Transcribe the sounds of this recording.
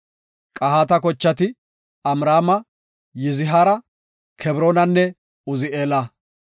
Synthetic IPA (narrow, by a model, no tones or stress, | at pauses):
kʼɐɦhaːt̪ɐkɔt͡ʃːɐt̪ɪ | ɐmɾaːmɐ | jɪzɪɦaːɾɐ | kʰɛbɾoːnɐnːɛ | ʊzɪeːlɐ